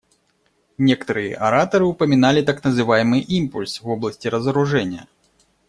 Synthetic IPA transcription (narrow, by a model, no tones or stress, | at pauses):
nʲɛkt̪ɐɾɨjɐ̰ʔɐɾat̪ɐɾɨwpɐmʲin̪alʲit̪aknɐzɨvajmɨʔimpulʲsvɔblˠɐsʲt͡sʲiɾɐzɐɾuʐɛnʲːɐ̰